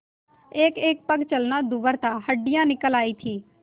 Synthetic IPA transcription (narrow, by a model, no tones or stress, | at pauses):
eːkeːk̚pəɡt͡ʃəlnad̪ubəɾt̪aɦəɖɪjãnɪkəlaːit̪ʰiː